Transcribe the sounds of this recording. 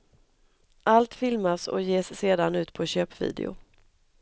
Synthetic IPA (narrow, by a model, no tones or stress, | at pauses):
ʔalt̪fɪlmasɔ̰jeːsːeːd̪anʉ̟ːt̪pʰɔɕøːpvḭːd̪ɪ̰ʊ̰